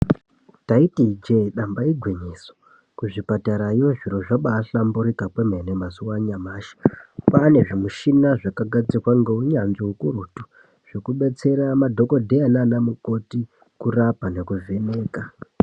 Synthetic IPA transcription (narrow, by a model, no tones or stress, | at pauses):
taitid͡ʒeɗambaiɡʱwiɲiso̥ | kuʐipataɾajo̞ʐiɾo̞ʐaɓaːɬambuɾikakwemenemasuwaɲamaːʃḁpane̞ʐemuʃinaʐakaɡʱad͡zikwaŋɡeuɲanʐiukuɾuːtu̥ | ʐ̥ekuɓe̞t͡se̞ɾamadʱo̞ko̞dʱeananamuko̞ti | kurapane̞kuvʱe̞neːka